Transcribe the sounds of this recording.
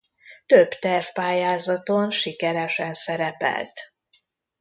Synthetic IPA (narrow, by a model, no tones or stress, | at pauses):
t̪øbt̪ɛrfpaːjaːzɒt̪onʃikɛɾɛʃɛnsɛɾɛpɛ̰lt̪